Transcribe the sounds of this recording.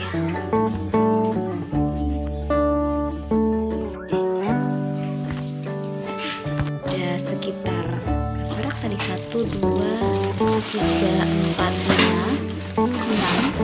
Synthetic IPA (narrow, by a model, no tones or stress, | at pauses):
dasəkit̪araɾak̚t̪adisat̪uduua | t̪iɡaʔəmpat̪̚ɲa | kəna